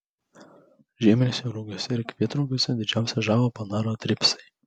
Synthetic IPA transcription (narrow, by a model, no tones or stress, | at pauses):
ʒʲiːmʲɪnʲesʲɛɾuɡʲosʲɛɪɾkʲʋʲiɛt̪ɾuɡʲoːsʲɛd̪ʲɪd͡ʒʲæˑʊsʲɛʒæːʋoːpɐnɑːɾoːt̪ʲɾʲɪpsɐɪ